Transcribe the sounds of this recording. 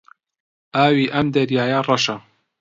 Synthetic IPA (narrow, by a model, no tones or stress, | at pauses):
aːwiːʔɐmd̪ɐɾjaːjarˤɑʃɐ